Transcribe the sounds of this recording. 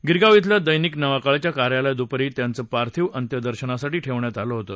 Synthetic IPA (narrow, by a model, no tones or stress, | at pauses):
ɡiɾɡaʋit̪̬ljad̪əjniːknəʋakaɭt͡ɕjakaɾjaljad̪upɾiːt̪jant͡səːpaɾt̪ʰiːʋənt̪jəd̪əɾɕənasaʈiːʈʰeʋɳjat̪aloɦot̪əː